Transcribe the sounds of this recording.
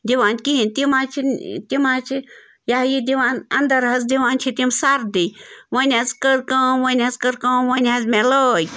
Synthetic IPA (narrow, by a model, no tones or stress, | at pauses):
d̪iʋaːnkiɦint̪imat͡ʃʰint̪imaːt͡ʃʰi | jaɦjid̪iʋaːnɐ̰nd̪ɐɾɦɐzd̪iʋaːnt͡ʃʰit̪imsaɾd̪iʋɐnʲazkəɾkəmʋənʲɐzkəɾkəmʋənʲɦazmeləj